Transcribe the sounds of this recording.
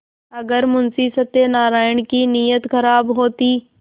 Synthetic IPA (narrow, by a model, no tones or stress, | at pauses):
ɐɡəɾmʊnsisət̪ːenaːɾaːɪɳ̃kinijət̪xɐɾaːbɦoːt̪iː